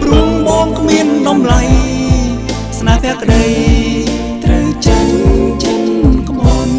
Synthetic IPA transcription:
pruəŋɓɑːnkʰmiənɗɑmlaj | snaːpʰɛəkːɗəj | t̪rəwt͡ɕəwt͡ɕəɲkɓɑn

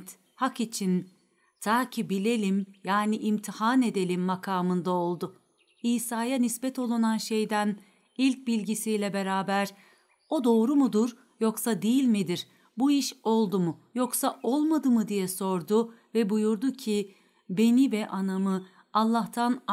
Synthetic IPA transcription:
t̪ | hakit͡ʃʰin | t̪ʰaːcʰibilʲe̞lʲimjaːniʔimt̪ʰihane̞d̪e̞lʲimːakʰaːmɯnd̪aolˠd̪ʊ | iːsaːjanisbɛt̪ʰo̞lˠunanʃe̞jd̪æn | ilʲc̚bilʲɟisijlʲɛbe̞ɾaːbæɾ | o̞d̪o̞ːɾumud̪uɾ | joksad̪ejilʲmid̪iɾ | buiʃo̞lˠd̪umujoksaʔo̞lˠmad̪ɯmɯd̪ijɛso̞ɾd̪ʊvɛbujuɾd̪ucʰi | be̞nivɛʔanamɯ | alˠːaht̪ʰan

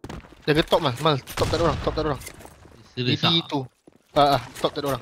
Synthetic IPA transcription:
d͡ʒaɡət̪ɔʔ̚masmalt̪ɔp̚t̪atoɾaŋt̪ɔp̚t̪atoɾaŋ | iit̪u | aat̪ɔp̚t̪atoɾaŋ

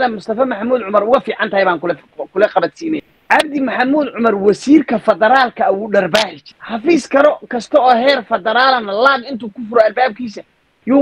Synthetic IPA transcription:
ðɐmʊst̪ʰɐfɐmɐħɑmuːd̪ʕʊmɐɾʊɣɐfiːʕɑnt̪ɐhɛjβaːŋk | kʰʊlɛqɑbɐt̪siːnɛj | ʕɑb̚d̪ɪmɐħɑmuːd̪ʕʊmɐrwɐsiːrkʰɐfɐðɐɾaːlkʰɐwuːɖɐrbaːħɪt͡ʃħɑfiːskʰɐɾɔkʰɐst̪ʰɔɔːhɛːrfɐðɐɾaːlɐnɐlaːɡɪnt̪ʰuːkʰʊfʊɾɔɐlbaːb̚kʰiːsɐ | juː

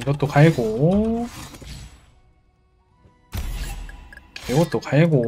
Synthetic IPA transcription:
iɡʌt͈̚okaeɡo | eɡʌt̚t͈okaeɡo

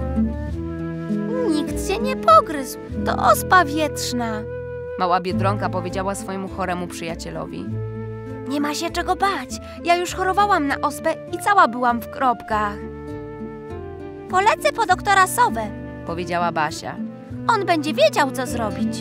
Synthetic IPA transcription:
ɲikt̪ɕɛɲɛpʰɔɡɾɘzwt̪ɔ̰ʔɔspavʲjɛtʂna | mawabʲjɛd̪ɾɔŋkapɔvʲed͡ʑawasfɔjɛmuxɔɾɛmupʂɘjat͡ɕɛlɔ̰vʲḭ | ɲɛmaɕɛt͡ʂɛɡɔbat͡ɕ | jajuʂxɔɾɔvawamna̰ʔɔspɛ | it̪sawabɘwamfkɾɔpkax | pɔlɛt̪sɛpɔd̪ɔkt̪ɔɾasɔvɛ | pɔvʲjed͡ʑawabaɕa̰ | ɔnbɛɲd͡ʑɛvʲjed͡ʑawt̪ɔzɾɔbʲit͡ɕ

